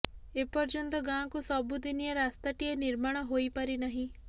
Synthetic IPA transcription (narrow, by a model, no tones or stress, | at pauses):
epɔɾd͡ʒɔnt̪ɔɡãkusɔbud̪inijaɾast̪aʈieniɾmaɽ̃ɔɦojpaɾinaɦĩ